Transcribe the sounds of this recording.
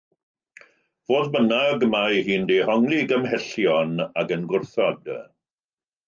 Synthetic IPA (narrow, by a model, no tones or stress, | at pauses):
voːdbənaɡəmajhiːndɛhɔŋlˠɪɡəmhɛɬjɔnaɡənɡʊrθɔdə̰